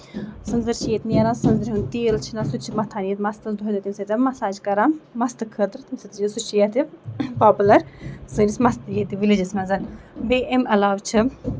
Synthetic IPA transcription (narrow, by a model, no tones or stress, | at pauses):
sɨnzɨɾt͡ʃʰijet̪nijɐɾaːnsɨnzɨɾʲɦunt̪iːlt͡ʃʰinasut͡ʃʰimɐt̪ʰaːnjet̪mɐst̪ɐsd̪uɦed̪ɐt̪imsɐt̪ʲɐmːɐsaːd͡ʒkɐɾãːnmɐst̪ɨkʰət̪ɾt̪imsɨt̪d͡ʒisut͡ʃʰijet̪ipaːpulɐɾzɨːnismɐst̪ɨjet̪iʋilid͡ʒismɛzɐnbeːʔemɐlaːʋt͡ʃʰɨ